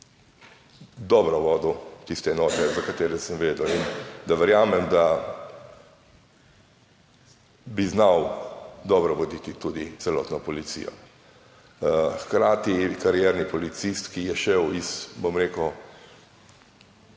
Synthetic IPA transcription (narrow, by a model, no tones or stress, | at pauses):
d̪ɔbɾɔʋɔːd̪ɔt̪ist̪ɛɛnɔːt̪ɛzakat̪eːɾɛsəmʋeːd̪əwind̪aʋɛɾjaːmɛmd̪a | biznawd̪ɔbɾɔʋɔd̪it̪it̪ud̪it̪sɛlɔ̰ːt̪nɔpɔlit̪sḭːjɔ̰ | xkɾaːt̪ikaɾjɛɾnipɔlit̪sist̪kijɛʃɛwisbomɾeːkə